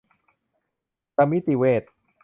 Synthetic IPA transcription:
ta˧mːi˦˥t̪i˨˩weː˧˩t̪̚

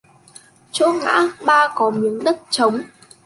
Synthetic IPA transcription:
t͡ɕo̰˧˥ŋa̰ː˧˥ɓaː˧kɔ˨˦mi˨˦əŋɗə˦˥t̚t͡ɕə˨˦wŋ͡m

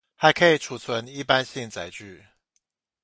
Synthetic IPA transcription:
xa˨˥ɪkʰə˧˥i˨˩ʈ͡ʂʰu˨˩t͡sʰwə˧˦ni˥˩pa˦nɕi˥˩ŋt͡sa˨˥ɪt͡ɕy˥˩

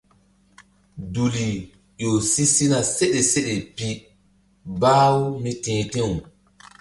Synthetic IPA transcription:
du˨li˨ | jo˨si˦si˦na˨se˦ɗe˨se˦ɗe˨pi˦ | baː˦wu˦mi˦tẽː˨tẽ˦˨

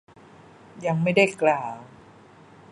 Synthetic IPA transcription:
ja˧ŋma˥˩jda˥˩jklaː˨˩w

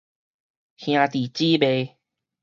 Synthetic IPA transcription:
hj̃ã˧t̪i˨˩t͡ɕi˦be˧

